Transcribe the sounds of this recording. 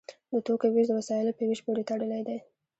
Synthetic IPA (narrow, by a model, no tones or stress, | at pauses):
d̪ət̪okawiʒd̪wasɑjɪlpəwiʒpoɾet̪aɽəlajd̪aj